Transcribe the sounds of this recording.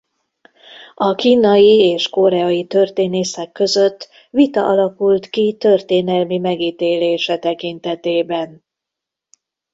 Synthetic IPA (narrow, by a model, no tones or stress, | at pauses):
ɒkiːnɒjieːʃko̞ɾɛɒjit̪ø̞rt̪eːneːsɛkːø̞zø̞t̪ː | ʋit̪ɒʔɒlɒkult̪kit̪ø̞rt̪eːnɛlmimɛɡiːt̪eːleːʃɛt̪ɛkint̪ɛt̪eːbɛn